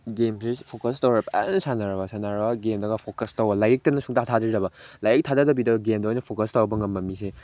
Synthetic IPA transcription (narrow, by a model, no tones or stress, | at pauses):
ɡemsepʰokɐstɐwɾɐpa̰nsanaɾɐbɐsanaɾɐbɐɡemdɐɡɐpʰokɐstɐwbɐlajek̚tɐnɐsuŋtatʰadiɾiɾɐbɐlajek̚tʰadadɐbidɐɡɐɡemdɐɔjnɐpʰokɐstɐwɐbɐŋɐmːɐmːise